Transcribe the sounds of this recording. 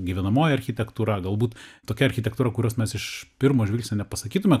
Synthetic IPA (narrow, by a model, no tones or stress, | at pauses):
ɡʲiʋʲɛnɐmoːjɛɐɾʲxʲɪt̪ʲɛkt̪uːɾɐɡɐlˠbuːt̪t̪oːkʲɛɐɾʲxʲɪt̪ʲɛkt̪uːɾɐkʊɾʲoːsmʲɛsɪʃpʲɪɾmoːʒʲʋʲilʲsʲnʲoːnʲɛpɐsɐkʲiːt̪ʊmʲɛ